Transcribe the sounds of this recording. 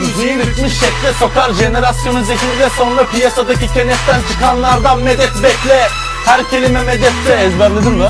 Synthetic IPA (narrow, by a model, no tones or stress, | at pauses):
zijɯɾɯt̪mɯʃːɛcʲlʲɛso̞kʰaɾʒe̞neɾasjanɯzecʰʲililʲɛso̞nɾapʰijasad̪acicʰe̞nɛt̪t̪ʰːænt͡ʃʰɯkanlˠaɾd̪anmed̪ɛt̪bɛclʲɛ | hæɾcʰelʲimɛmɛd̪ɛt̪d̪ɛːzbæɾlʲˠed̪ɯmlˠa